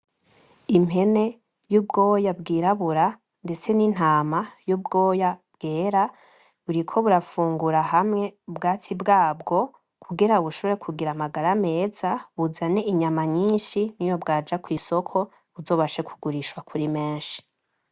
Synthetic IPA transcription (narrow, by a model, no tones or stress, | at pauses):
imɦe̞ne̞ | jubɡo̞ːjabɡiːɾaβuɾa | nde̞t͡se̞nin̥aːmajubɡo̞ːjabɡ̥eːɾa | βuɾikʰo̞βuɾafuːŋɡuɾaɦamŋe̞ubɡaːtʰibɡaːbɡo̞ | kʰuɡiɾauβuʃoβoɾekʰuɡiɾamaɡaɾame̞ːzaβuzane̞iɲamaɲiːnʃinijo̞bɡaːd͡ʒakwiːso̞kʰo̞ | βuzoːβaʃekʰu̥ɡuɾiʃwakʰuɾime̞ːnʃi̥